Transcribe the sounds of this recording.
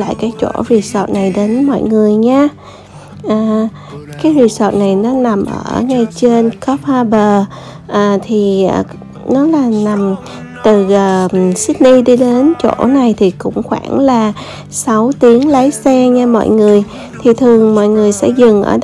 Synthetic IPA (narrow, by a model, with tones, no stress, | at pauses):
la̰ː˧˨jkaː˨˦jt͡ɕo̰˧˩zi˨˩sɔ˨˩t̚na˨˩jɗe˨˦nmɔ̰˧˨jŋɨ˨˩əjɲaː˧ | ʔaː˨˩ | kaː˨˦jzi˨˩sɔ˨˩t̚na˨˩jnɔ˨˦na˨˩mʔə̰ː˧˩˧ŋa˧jt͡ɕe˧nkɔ˦˥p̚aː˧ɓəː˨˩ | ʔaː˨˩t̪ʰi˨˩˨ | nɔ˨˦laː˨˩na˨˩m | t̪ɨ˨˩əː˨˩si˦˥k̚ni˧ɗi˧ɗe˨˦nt͡ɕo̰˧˩˥na˨˩jt̪ʰi˨˩kʊ̰˧˥ŋ͡mxwaː˧˩ŋlaː˨˩ | sa˨˦wt̪i˨˦əŋlə˨˦jsɛ˧ɲaː˧mɔ̰˧˨jŋɨ˨˩əj | t̪ʰi˨˩t̪ʰɨ˨˩əŋmɔ̰˧˨jŋɨ˨˩əjsɛ̰˧˥zɨ˨˩ŋʔə̰ː˧˩